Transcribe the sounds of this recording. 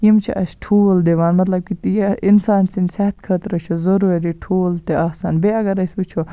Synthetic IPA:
jimt͡ʃʰḭʔɐ̰sʈʰuːld̪eʋaːnmɐt̪lɐb̚kit̪iinsaːnsinsɛt̪kʰɐt̪ɾɐt͡ʃʰozɐɾuːɾeɾiʈʰuːlt̪eaːsaːnbeɐɡɐɾɐsut͡ʃʰo

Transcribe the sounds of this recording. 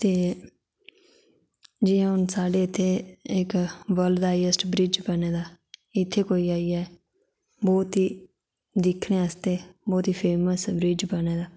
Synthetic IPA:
t̪eː | d͡ʒɪːãːʊnsaːɖeːɪt̪ʰːeːɪkʋəld̪aːiəsʈbɾɪd͡ʒbəneːd̪aː | ɪt̪ʰːeːkoːiːaːiːɛː | bɔːt̪iː | d̪ɪkʰːɽẽːəst̪eːbɔːt̪iːpʰeːməsbɾɪd͡ʒbəneːd̪aː

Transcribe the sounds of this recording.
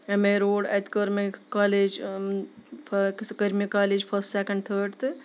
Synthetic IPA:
emẽɾoːɖa̰t̪kəɾmekaːleːd͡ʒ | pʰkskəɾmekaːleːd͡ʒpʰəsʈsekɐɳɖt̪ʰəɖt̪ɨ

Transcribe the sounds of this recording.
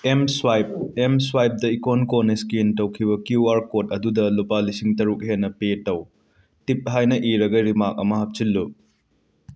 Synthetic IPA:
emswajp̚emswajp̚dɐikonkoniskintɐwkʰibɐkjuaɾkot̚ɐdudɐlupalisiŋtɐɾuk̚henːɐpetɐw | tip̚ɦajnɐʔiɾɐɡɐɾimakɐ̰mɐɦɐp̚t͡ʃilːu

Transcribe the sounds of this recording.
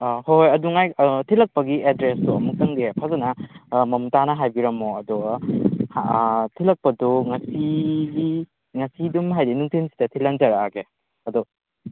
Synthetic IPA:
hojɐduŋajtʰilɐk̚pɐɡiedɾestuɐmuk̚tɐŋdiepʰazɐnɐmɐmtanɐɦajbiɾɐmoɐduɡhtʰilɐk̚pɐduŋɐsiɡi | ŋɐsidumɦajdinuŋtʰinsi̥tɐtʰilɐŋzɐɾaaɡe | ɐdu

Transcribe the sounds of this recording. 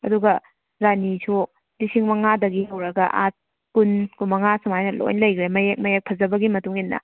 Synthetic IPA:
ɐduɡɐ | ɾanisʰo | disʰiŋmɐŋadɐɡiɦɐwɾɐɡɐʔa̰t̚ | kunkumɐŋasumajnɐlo̰jnlɐjɡɾemɐjek̚mɐjek̚pʰɐzɐbɐɡimɐtuŋinːɐ̰

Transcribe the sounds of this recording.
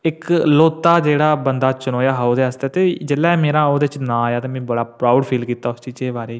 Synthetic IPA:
ɪkloːt̪ːaːd͡ʒeːɽaːbənd̪aːt͡ʃʊnoːjaːɦaod̪eːəst̪eːt̪eːd͡ʒelːɛːmeːɾãːoːd̪eːɪt͡ʃnãːaːjaːt̪eːmɛ̃ːbəɽaːpɾaːʊɖpʰiːlkiːt̪aːʊst͡ʃiːt͡ʃeːbaːɾeː

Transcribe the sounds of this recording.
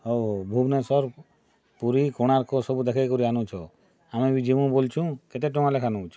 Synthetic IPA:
ɦoɦobʱubnesɔɾ | puɾikɔɽ̃aɾkɔsɔbud̪ekʰajkɔɾianũt͡ʃʰɔ | amẽbid͡ʒemũbolt͡ʃʰũket̪eʈɔ̃ŋãlekʰanut͡ʃʰɔ

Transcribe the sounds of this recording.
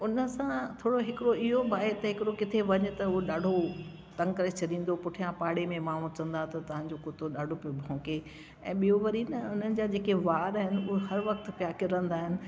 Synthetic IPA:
ʊnə̆sãt̪ʰoːɽoɦɪkɪɾoɪɦobaːet̪ɐɦɪkɪɾokɪt̪ʰeʋɐɲʊ̆t̪ɐʊɦoɗaːɖʱo | t̪ɐ̃ŋkɐɾet͡ɕʰɐɗĩːn̆d̪opʊʈʰijãpaːɽemẽmãːɦũt͡ɕɐ̃nd̪at̪ɐt̪ɐʋ̤ãːɲd͡ʑokʊt̪oɗaːɖʱopobʱõːke | ɛ̃ːɓijoʋɐɾinɐʊn̤ənɪ̆d͡ʑaːd͡ʑeːkeʋaːɾaːɦɪnɪ̆ʊɦoɦɐɾʋɐkt̪pjaːkɪɾə̃nd̪aːɦɪnɪ̆

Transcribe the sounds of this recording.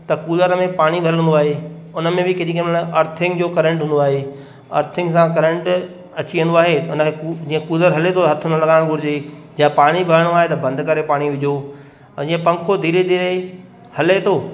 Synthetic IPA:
t̪ɐkuːləɾmẽpaːɽ̃ibʱɐɾə̃nd̪oaːɦe | ʊnəmẽbɪkɪɗikəmʔɐɾt̪ʰɪ̃ŋɡd͡ʑoːkɐɾə̃ɳʈɦũnd̪oaːɦe | ɐ̰ɾt̪ʰɪŋsãkɐɾə̃ɳʈ | ɐt͡ɕiə̃nd̪oaːɦeʊnəkʰed͡ʑiːə̃kuːləɾɦɐlet̪ʰot̪ɐɦɐt̪ʰʊnəlɐɠaːɪɽ̃ɡʱʊɾɪd͡ʑed͡ʑɐjə̃paːɽ̃ibʱɐɾəɽ̃oaːɦet̪ɐbɐ̃nd̪kɐɾepaːɽ̃iʋɪd͡ʑʱo | d͡ʑiːə̃pɐ̃ŋkʰod̪ʱiːɾed̪ʱiːɾe | hɐlet̪ʰoː

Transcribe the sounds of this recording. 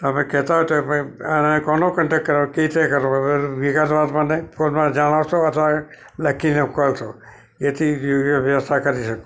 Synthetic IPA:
t̪əmẽkɛɦt̪aɦɔt̪opənekɔnokəɳʈekkːəɾaket̪ʰekəɾõəʋikasʋat̪manepolmãd͡ʒaɽ̃aʋsoət̪ʰʋa | ləkʰinekəlto | et̪ʰijoɡjəʋjəʋəst̪ʰakəɾiʃəko̥

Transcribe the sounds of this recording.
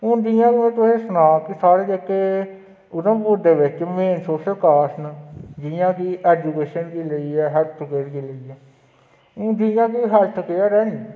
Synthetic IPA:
ʊ̃nd͡ʒijãːkːẽːt̪ʊsẽːsʊnaːkisaːɽeːd͡ʒekːeː | ʊnãːpʊɾd̪eːʋɪt͡ʃmẽːnsoːʃəlkaːsnd͡ʒijãːkiːʔɛːd͡ʒuːkeːʃənkiːləiːɛːɦɛlt̪ʰkeːɾkiːləiɛ̃ː | d͡ʒijãːkiːɦɛlt̪ʰkeaːɾɛːn

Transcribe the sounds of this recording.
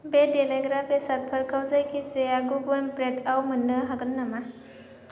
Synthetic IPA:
bedeleɡɾabesɐɾpʰɐɾkʰawzajkʰiseaɡubɔmpɾetawmɯnːɯɦaɡɯnːama

